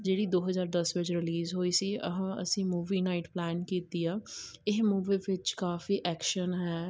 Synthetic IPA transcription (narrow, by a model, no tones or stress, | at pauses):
d͡ʒeːɽiːd̪oːɦəzaːɾd̪əsʋɪt͡ʃɾɪliːzɦoːiːsiːə̰ɦãːə̰sĩːmuːʋiːnaːɪʈplɛːnkiːt̪iːaːɪɦmuːʋeːʋɪt͡ʃkaːfiːʔɛːkʃənɦɛː